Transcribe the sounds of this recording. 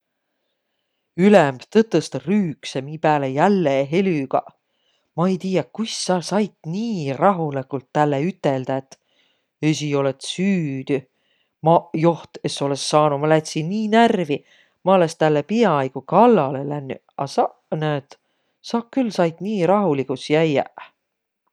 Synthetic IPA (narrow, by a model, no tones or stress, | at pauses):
ylemb̥t̪ɤt̪ːˑust̪ɑryːksemiːpæːlejælːeɦelyɡ̥ɑ̰ | mɑejt̪iːjɑkujsːɑlsɑjt̪niːrɑɦulikult̪ːælːeyt̪ˑːeld̪̥ɑet̪ː | esio̞let̪syːd̪̥y | mɑjo̞ht̪et̪sːo̞lesːɑːnumɑlæt̪ʲsiniːnærvi | mɑolest̪ælːepiɑɑjɡ̥ukɑlːɑle̞lænːy | ɑ̰sɑ | net̪ | sɑːkkːylːsɑjt̪niːɾɑɦulikusjæjæ̰